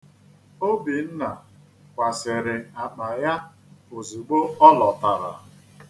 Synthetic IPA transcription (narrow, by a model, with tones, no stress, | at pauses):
o˦bi˨n̩˦na˨ | kʷa˨se˨ɾɪ˨a˨k͡pa˨ja˦ | o˨zi˨ɡ͡bo˦ɔ˦lɔ˨ta˨ɾa̰˨